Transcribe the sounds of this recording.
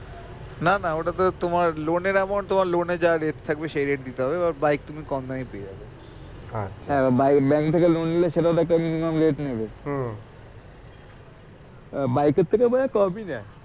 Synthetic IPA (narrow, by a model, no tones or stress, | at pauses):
nanaoʈat̪ot̪omaɾloneɾɛmont̪omaɾloned͡ʑaɾeʈ̚t̪ʰak̚beʃeɾeʈ̚d̪it̪eɦɔbebaɾbajk̚t̪umikɔnd̪aipeed͡ʑabe | aʃʰɦɛ̃abajkbɛŋkt̪ʰekelonileʃeʈãd̪ɛkʈaminimamɾeʈnebe | bajket̪ʰːekebɔlekɔpina